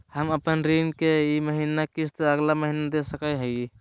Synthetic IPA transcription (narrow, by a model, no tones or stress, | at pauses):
həməpənɾinkeiməɦinakist̪eəɡlaməɦinad̪esəkəjɦəji